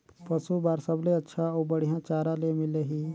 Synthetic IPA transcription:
pəsubaːɾsəbleɐtːʃʰaoːbəɽ̤ijãːt͡ʃaːɾãlemɪleɦiː

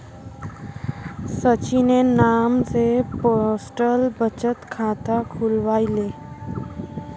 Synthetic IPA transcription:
sət͡ʃinenaːmseposʈəlbət͡ʃət̪kʰãːt̪akʰʊlʋaːileː

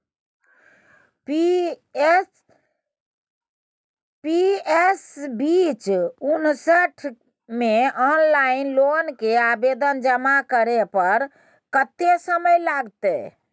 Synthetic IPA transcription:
piesbit͡ʃunsəʈʰ | meɔnlainlonkeabed̪ənd͡ʒəmakəɾepəɾ | kət̪esəməjlaɡt̪ɛ̰

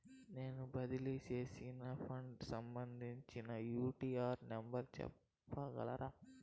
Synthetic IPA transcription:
neːnubɐðɪliseːsinɐfɐɳɖsɐmbɐnd̪iɲt͡ʃːinɐjuːʈiːaːɾnɐmbɐɾt͡ʃɛ̰pː | aːɣɐ̰ɭɐ̰ɾʔaː

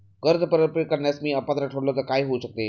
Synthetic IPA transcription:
ɡəɾd̪ʱəpəɾəpɾikəɾɳjasmiːəpat̪ɾəʈʰoɽlok̪akaiɦoɕək̚t̪e

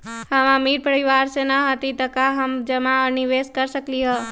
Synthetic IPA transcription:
həʋãmiɾpəɾiʋaɾsenəɦət̪it̪əkaɦəmd͡ʒəmaəniʋeskəɾʃəkliɦə

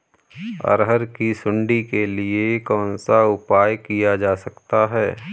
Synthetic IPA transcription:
ɐ̰ɾɦəɾkisʊ̃ɳɖikeliekɔ̃ːnsaʊpaːjkijad͡ʒaːsɐkt̪aɦɛː

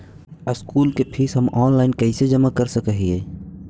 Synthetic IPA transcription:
əskuːlkepʰisɦəmɔːnlaɪnkɛɪsed͡ʒəmakəɾsəkəɦieː

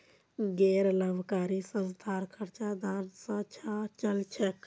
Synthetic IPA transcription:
ɡeɾləbʱkaːɾisə̃nst̪ʰaːɾkʰəɾt͡ʃad̪ansə̃t͡ʃʰat͡ʃəlt͡ʃʰek

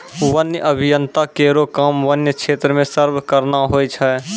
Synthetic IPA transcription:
ʋənjəʔəbʱɪjə̃nt̪akeːɾokaːmʋənjəkʃʰeːt̪ɾəmẽsəɾbkəɾnaɦoːit͡ʃʰə

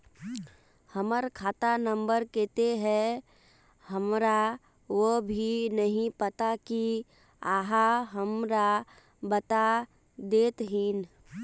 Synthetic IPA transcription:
həməɾkʰaːt̪anə̃mbəɾkeːt̪eɦɛ̃ | həmɾa | ʋəbʱinəɦĩpət̪aki | aːɦaɦəmɾa | bət̪a | d̪eːt̪ɦin

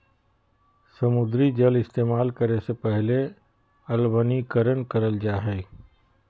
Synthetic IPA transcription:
səmʊd̪ɾid͡ʒəlɪst̪eːmaːlkəɾesepɛɦle | əlbənikəɾənkəɾəld͡ʒaːɦɛː

